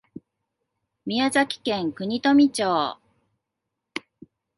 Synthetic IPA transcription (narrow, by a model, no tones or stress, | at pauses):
mʲiazakʲi̥kẽ̞ŋkɯ̟ɲ̟it̪o̞mʲit͡ɕoː